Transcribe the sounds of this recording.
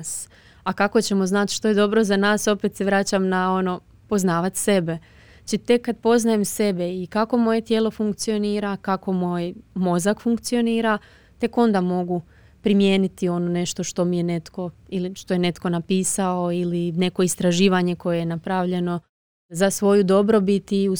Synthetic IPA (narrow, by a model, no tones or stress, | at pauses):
s | akako̞t͡ɕe̞mo̞znat̪ʃt̪o̞je̞d̪o̞bɾo̞zanaːso̞pet̪se̞ʋɾat͡ɕamnao̞no̞ | po̞znaːʋat̪se̞be̞ | t͡ɕit̪e̞kːad̪̚po̞znajemse̞be̞ikako̞mo̞je̞t̪jeːlˠo̞fuŋkt̪sio̞niːɾakako̞mo̞jmo̞zakfuŋkt̪sio̞niːɾa | t̪e̞ko̞nd̪amo̞ɡu | pɾimje̞ːnit̪io̞none̞ʃt̪o̞ʃt̪o̞mije̞ne̞t̪ko̞iliʃt̪o̞jene̞t̪ko̞napiːsao̞iline̞ko̞ist̪ɾaʒiːʋaɲe̞ko̞jejenapɾaʋʎe̞no̞ | zasʋo̞jud̪o̞bɾo̞bit̪iu